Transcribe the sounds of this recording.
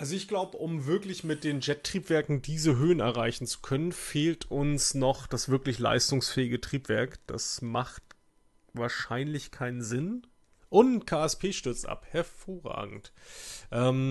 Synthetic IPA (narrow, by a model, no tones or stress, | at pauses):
ʔalzoɪçɡ̥laʊbəʔʊmvɪɐklɪçmɪt̚d̥eːnd͡ʒɛtːʁ̥iːpv̥ɛɐkŋ̩diːzəɦøːənɛɐʁ̞aɪçn̩t͡su̥kʰœnənfeːltʰʔʊnsnɔχd̥asv̥ɪɐklɪçla̰ɪstʊŋsfɛːɪɡətʁ̥iːpv̥ɛɐkd̥a̰smaχt | vaːɐʃaɪnlɪçkʰaɪnənzɪn | ʔʊnkʰaːɛspʰeːʃtʏɐt͡sʔa̰phɛɐfoːɐʁa̰ːɡŋ̩tʔɛːm